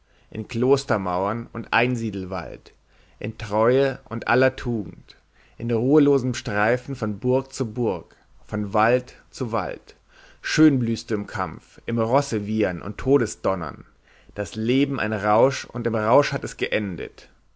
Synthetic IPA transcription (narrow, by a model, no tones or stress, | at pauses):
ʔɪ̰nkl̥oːstɐmaʊɐnʊntʔaɪnziːdl̩va̰lt | ʔɪ̰ntʁ̥ɔʏəʔʊntʔa̰lɐtʰuːɡŋ̩t | ʔɪnʁuːəloːzəmʃtʁ̥aɪfn̩fɔnbʊɐk̚t͡subʊɐk | fɔnvaltt͡suva̰lt | ʃøːnblyːstuɪmkʰa̰mfʔɪmʁɔsəviːɐnʔʊ̰ntʰːoːɾəsd̥ɔnɐ̰n | d̥asleːbm̩ʔa̰ɪnʁaʊʃʊntɪmʁaʊʃhatɛsɡ̥əʔɛndə̰t